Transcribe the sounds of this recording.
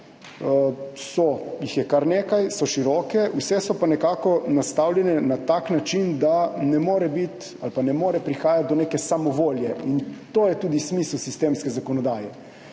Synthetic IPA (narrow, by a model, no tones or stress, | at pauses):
sɔjixjɛkaɾneːkajsɔʃiɾɔːkɛwsɛsɔpanɛkaːkɔnast̪awljɛnɛnat̪aːknat͡ʃind̪anɛmoːɾɛbit̪ | alpanɛmoːɾɛpɾixaːjat̪̚d̪ɔnekɛsamɔʋoːljɛint̪oːjɛt̪uːd̪ismislusist̪eːmskɛzakɔnɔd̪aːjɛ